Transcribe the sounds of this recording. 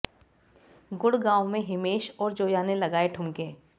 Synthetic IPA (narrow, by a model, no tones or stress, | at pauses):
ɡʊɽɡãːwmẽɦɪmeːʃɔːɾd͡ʒoːjaːnelɐɡaːeʈʰʊmkẽː